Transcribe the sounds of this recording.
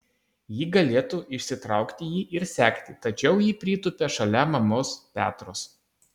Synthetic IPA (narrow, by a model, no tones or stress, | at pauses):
jiːɡɐlʲeːt̪uːʔɪʃʲsʲɪt̪ɾɑˑʊkt̪ʲɪjiːʔɪɾsʲæːkt̪ʲɪt̪ɐt͡ʃʲɛʊjiːpʲɾʲiːt̪ʊpʲeːʃɐlʲɛmɐmoːspʲæ̰ːt̪ɾoːs